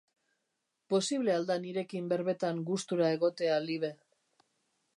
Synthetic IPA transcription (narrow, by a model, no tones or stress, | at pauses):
po̞siβ̞le̞ald̪aniɾe̞kimbe̞ɾβe̞t̪aŋɡust̪uɾae̞ɣ̞o̞t̪e̞aliβe̞